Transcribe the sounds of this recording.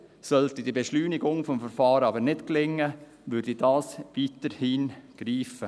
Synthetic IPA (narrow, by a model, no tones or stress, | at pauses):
sœltidiːbeʃlyːnɪɡʊŋfɔmfəɾfɑːɾɑbəɾnɪtklɪŋːə | ʋʏɾdidɑːsʋiːtəɾhiːnɡ̥ɾiːfə